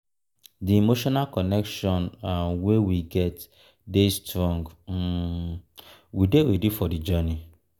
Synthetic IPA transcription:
diimoʃɔnalkɔnɛkʃɔ̃nawewiɡɛt | destɾɔ̃ŋɡ | widewidufɔdid͡ʒɜni

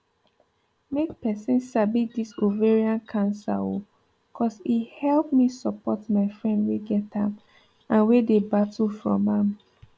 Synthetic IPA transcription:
mek̚pɛsɛ̃nsabidisoveɹiãnkʰãnsa̰o̰ | kʰɔsihɛlˠpmisɔpɔtmaɪfɹɛ̃ndweɡɛtãm | ãnwedebatəlfɹɔ̰̃mãm

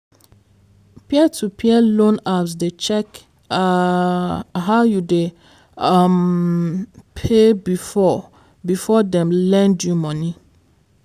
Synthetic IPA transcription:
piɛtʰupʰiɛlõnaps̬det͡ʃɛk | ɦaʊjude | am | pʰebifɔ | bifɔdɛ̃mlɛ̃ndjumɔ̃ni

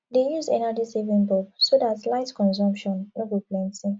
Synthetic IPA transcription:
dejuzdɛnad͡ʒisivĩnbɔb̚sodatlaɪtkɔ̃nsɔ̃mpʃɔ̃nnobiplɛ̃ntĩŋ

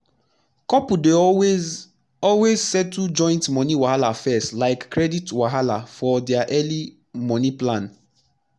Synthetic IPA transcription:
kɔpude | ɔlwezsɛtːud͡ʒɔ̃ɪ̃ntmɔ̃niwahalafɛstlaɪkːɹɛditwaɦalafɔdɛaʔɛli | mɔ̃niplãn

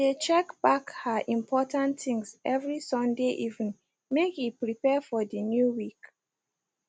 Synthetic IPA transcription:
det͡ʃɛkb̥akhaʔĩmpʰɔtãntθĩŋsɛvɹisɔ̃ndeʔivnĩ | mekipɹipɛfɔdənjuwik

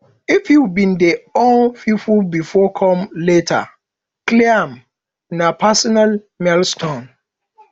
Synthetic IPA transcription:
ifjubĩndeõnfufulbifɔkʰɔ̃mletʰa̰ | kliam | napʰasɔnal | mɛlstʰõn

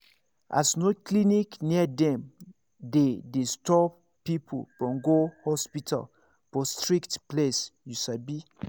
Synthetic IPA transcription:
ʔa̰snoklinikniadɛ̃m | dedestɔp | pipʰo̰b̥ɔ̃ŋɡohɔspitʰa̰l | fɔstɹiktplesjusabi

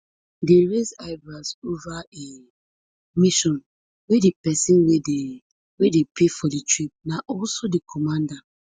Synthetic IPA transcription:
deɹezaɪbɹasovae | miʃɔ̃n | wedepɛsĩnwee | wedepʰefɔditɹip̚naʔɔlsodekʰɔmãnda

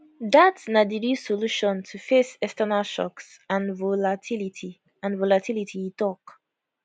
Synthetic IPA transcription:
datsnadiɾisɔluʃɔ̃ntʰufesɛstɛnalʃɔ̰ks | ãnvolatʰilitʰi | ãnvɔlatʰilitʰiitɔk

